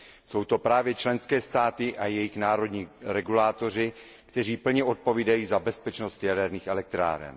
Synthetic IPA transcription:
so̞wt̪o̞pɾaːvjɛt͡ʃlɛnskɛːst̪aːt̪ɪʔajɛjɪxnaːɾo̞dɲiːɾɛɡulaːt̪o̞r̝ɪ | kt̪ɛr̝iːpl̩ɲɛʔo̞t̪̚po̞viːdajiːzabɛspɛt͡ʃnost̪jadɛɾniːxɛlɛk̚t̪ɾa̰ːɾɛ̰n

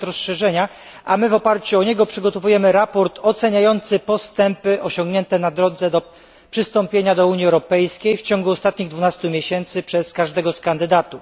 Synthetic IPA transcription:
ɾɔsʂɛʐɛɲa | ʔamɘvɔpaɾt͡ɕuɔɲɛɡɔpʂɘɡɔt̪ɔvujɛmɘɾapɔɾt̪ʰɔt̪sɛɲajɔnt̪sɘpɔst̪ɛmpɘʔɔɕɔ̃ŋɡɲɛnt̪ɛnad̪ɾɔd̪zɛd̪ɔ | pʂɘst̪ɔmpʲjeɲad̪ɔuɲjiɛwɾɔpɛjskʲejft͡ɕɔŋɡuɔst̪at̪ɲiɣd̪vunast̪umʲjeɕɛnt̪sɘpʂɛskaʐd̪ɛɡɔskand̪ɘd̪at̪u

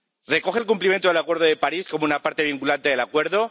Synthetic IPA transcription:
re̞ko̞xelk̬umplimje̞nt̪oðelakwe̞ɾðoðe̞paɾisko̞mounapaɾt̪e̞β̞iŋkulant̪e̞ðe̞lakwe̞ɾðo̞

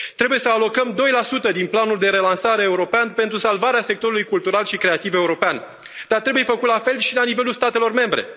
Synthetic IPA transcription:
t̪ɾe̞buje̞səalo̞kəmd̪o̞jlasut̪əd̪inplanuld̪e̞ɾe̞lansaɾe̞ːuɾo̞peanpe̞nt̪ɾusalvaɾease̞k̚t̪o̞ɾulujkult̪uɾalʃikɾe̞at̪ive̞uɾo̞pean | d̪̥art̪ɾe̞buje̞fəkut̪lafe̞lʃilanive̞lulst̪at̪e̞lo̞rme̞mbɾe̞̰

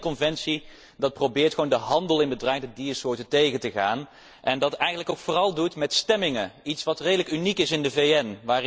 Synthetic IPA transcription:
kɔnvɛntsi | dɑt̚prowbɪːɹtχʋoːndəɦɑndəlˠɪnbədrɛjdədiəsʊːɹtətejɣətəχa̰ːn | ʔɛndɑtɛjxənələkowkfʊːrɑlˠdutmɛtstɛmɪŋəitsʋɑtrejdələkynikɪsɪndəvejɛnʋaːr

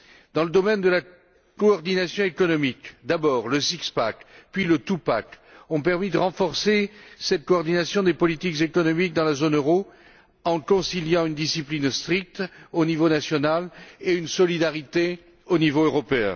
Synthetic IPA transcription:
d̪ɑ̃ləd̪ɔmɛnd̪əla | kɔːʁd̪inasjɔ̃ekɔnɔmikd̪abɔːʁləsikspakpɥilət̪upa̰k | ɔ̃pɛʁmid̪əʁɑ̃fɔʁsesɛt̪̚kɔːʁd̪inasjɔ̃d̪epɔlit̪ikzekɔnɔmik̚d̪ɑ̃lazonøʁo | ɑ̃kɔ̃siljɑ̃ynd̪isiplinst̪χik̚t̪onivonasjɔnaleynsɔlid̪aʁit̪e | onivoøʁɔpeɛ̰̃

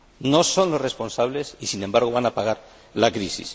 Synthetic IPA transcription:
nosonlosresponsaβ̞lesisinẽmbaɾɣ̞oβanapaɣ̞aɾ | lakɾisḭs

